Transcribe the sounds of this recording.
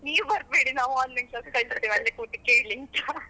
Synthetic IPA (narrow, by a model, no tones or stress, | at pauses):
niːʋbɐɾ̚beːɽinaːʋaːnlɐŋlɐskɐlst̪eːʋɐlːekuːʈikeːɽlint̪a